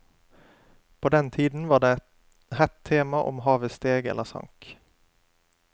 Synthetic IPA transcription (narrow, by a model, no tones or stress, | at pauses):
pʰod̪ɛnt̪ʰiːd̪n̩ʋɑːɖeːɛt̪ | hɛt̪ʰːeːmɑʔɔ̰mɦɑːʋəst̪eːɡɛ̰lːəɾsɑ̰ŋk